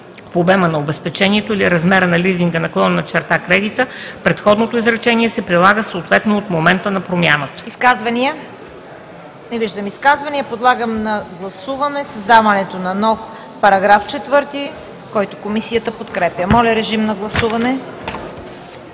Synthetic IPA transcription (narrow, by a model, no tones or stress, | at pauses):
fobɛmənɐobɛspɛt͡ʃɛniɛt̪oiliɾɐzmɛɾənɐliziŋɡənɐklˠɔnnɐt͡ʃɛɾt̪akɾɛd̪it̪əpɾɛt̪xɔd̪not̪oizɾɐt͡ʃɛniɛsɛpɾilˠaɡəsoːt̪vɛt̪noot̪momɛnt̪ənɐpɾomʲjanət̪ə̥iskazvɐniə | nɛviʒd̪əmiskazvɐniəpod̪lˠaɡəmnɐɡlˠɐsuvɐnɛsɐzd̪avɐnɛt̪onɐnɔf | pɐɾɐɡɾaft͡ʃɛt̪vɤɾt̪i | kɔjt̪o̥komisijət̪əpot̪kɾɛpjəmɔlʲɐɾɛʒimnɐɡlˠɐsuvɐnɛ